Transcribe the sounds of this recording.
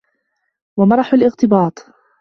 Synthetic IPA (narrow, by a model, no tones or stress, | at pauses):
wamɑɾˤɑħʊlʔɪɣt̪ɪbɑːt̪ˤ